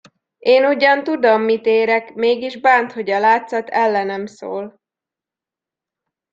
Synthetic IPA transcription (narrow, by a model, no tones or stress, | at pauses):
eːnuɟɒnt̪ud̪omːit̪eːɾɛkmeːɡiʒbaːnt̪ho̞ɟɒlaːt̪sɒt̪ɛlːɛnɛmso̰ːl